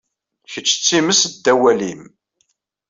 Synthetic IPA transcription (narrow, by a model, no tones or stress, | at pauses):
çət͡ʃːt͡sːiməsd̪ːæwælim